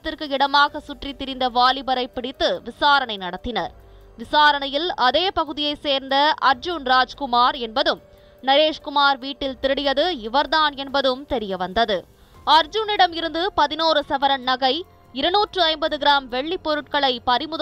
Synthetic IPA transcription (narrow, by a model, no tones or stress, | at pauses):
t̪ːɪrkɯɪɽɐmaːɣɐsʊʈrit̪ːɪɾɪnd̪ɐʋaːlɪbɐɾɐɪpːɪɽɪt̪ːɯʋɪsaːɾɐɳɐɪnɐɽɐt̪ːɪnɐɾ | ʋɪsaːɾɐɳɐjɪlɐðeːpɐɣɯðɪjɐɪseːɾnd̪ɐɐɾd͡ʒunɾaːd͡ʒkʊmaːɾɛnbɐðɯm | nɐɾeːʂkʊmaːɾʋiːʈːɪlt̪ɪɾɯɽɪjɐðɯɪʋɐɾðaːnɛnbɐðɯmt̪ɛɾɪjɐʋɐnd̪ɐðɯ | ɐɾd͡ʒʊnɪɽɐmɪɾɯnd̪ɯpɐðɪnoːɾɯsɐʋɐɾɐnnɐɣɐɪ | ɪɾɐnuːʈrɯɐɪmbɐðɯɣɪɾaːmʋɛɭːipːɔɾɯʈ̚kɐɭɐɪpɐɾɪmɯð